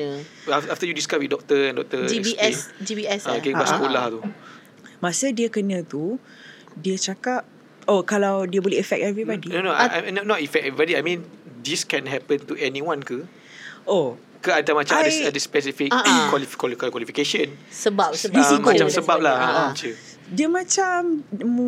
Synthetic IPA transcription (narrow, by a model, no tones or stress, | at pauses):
afaft̪əjudiskaswit̚dɔk̚t̪əɛ̃ndɔk̚t̪əd͡ʒiɛisd͡ʒibiɛsaɡẽbasəkolaht̪u | masədiəkənə̃t̪u | diət͡ʃakap̚ | okalawdiəboliəfɛk̚tɛvɾibɔdinonoaʔanɔnɔtifɛk̚ɛvɾibɔdiajmĩndiskɛ̃nɦɛpə̃nt̪uʔɛniwãnkə | ʔo | kəat̪amat͡ʃãmsadəspɛs̬ifikkwalifkwalkəkwalifikeʃə̃nsəbapsədisiat͡ʃamsəbap̚lahat͡ʃə | diəmat͡ʃam